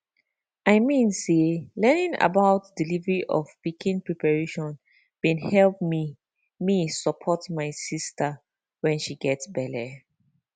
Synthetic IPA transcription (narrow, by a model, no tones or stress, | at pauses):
aɪmĩnselɛnĩŋa̰baʊtdilivəɹiʔɔfpikʰĩnpɹipaɹeʃɔ̃n | bĩnhɛlp̚mi | misəpʰɔtmaɪsistʰə | wɛ̃nʃiɡɛtsbɛlɛ